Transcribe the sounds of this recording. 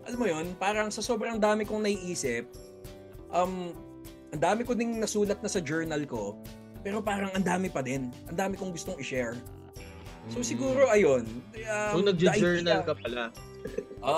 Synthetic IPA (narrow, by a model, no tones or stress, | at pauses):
ʔɐlɐmːojo̞npaːɾɐŋsɐso̞bɾɐŋd̪aːmɪkoŋnɐiʔiːsɪp̚ | ʔɐm | ʔɐnd̪aːmɪkod̪ɪŋnɐsuːlɐt̪̚nɐsɐd͡ʒɛɹnɐlko̞ | pɛːɾo̞paːɾɐŋɐnd̪aːmɪpɐd̪ɪnʔɐnd̪aːmɪkoŋɡʊst̪o̞ŋɪʃɛɹ | so̞sɪɡuːɾo̞ʔɐjo̞nʔɐonɐɡ̪ɐʔd͡ʒɛɹnɐlkɐpɐla | ʔo